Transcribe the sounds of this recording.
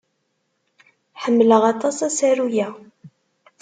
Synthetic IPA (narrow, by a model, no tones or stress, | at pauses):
ħəmːləʁɑt̪ˤɑsæsæɾujæ